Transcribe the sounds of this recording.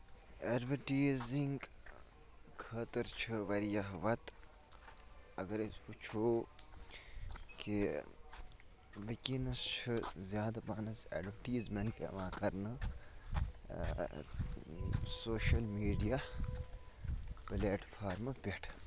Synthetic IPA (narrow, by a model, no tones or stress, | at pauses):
eɖʋɐʈiːziŋɡ | kʰɐːt̪ɐɾt͡ʃʰɨʋɐɾijɐɦʋɐt̪ | ɐɡɐɾesput͡ʃʰoː | ki | ʋɐkinɐst͡ʃʰɨzjaːd̪ɐpaːnɐsḛɖʋɐʈiːzmɐnkeɐ̰mãːkɐɾnɨ | soːʃɐlmiːɖija | pleːʈfʰaːɾmɨpʲeʈʰ